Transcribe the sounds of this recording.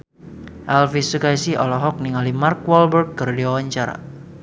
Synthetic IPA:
ʔɛlfisukajsiɔlɔɦɔk̚niŋalimark̚wɔlbərd̪̚kɨrdiwawaɲt͡ʃaɾa̰

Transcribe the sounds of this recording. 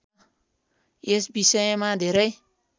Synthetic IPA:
jesbisemadeɾej

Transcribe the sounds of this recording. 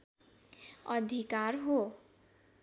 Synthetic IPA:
ʌd̪ʱikaɾɦo

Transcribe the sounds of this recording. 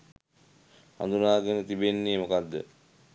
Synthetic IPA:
a̰nd̪unaːɡənət̪ibenːeːmokad̪ːə̰

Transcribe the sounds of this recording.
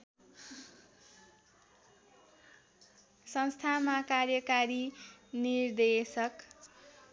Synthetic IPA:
sʌnst̪ʰamakarjʌkaɾinird̪esʌk

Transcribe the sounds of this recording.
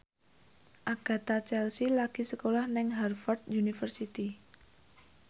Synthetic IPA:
ʔaɡ̥a̤t̪at͡ʃɛlsilaɡ̥i̤səkolahnɪŋɦɛrfɔrt̪junifərsit̪i

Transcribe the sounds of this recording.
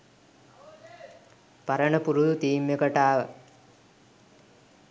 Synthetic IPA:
pɐɾəɳəpuɾud̪ut̪iːmekəʈaːʋə

